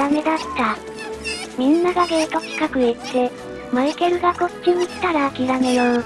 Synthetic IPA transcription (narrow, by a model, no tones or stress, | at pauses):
ame̞d̪at̪ːa | mʲĩnːaɡaɡeːk̪oki̥kakɯ̟et̪ːe̞ | maike̞ɾɯ̟ɡako̞t͡ɕĩɲiɕi̥t̪aɾaːkʲiɾame̞jo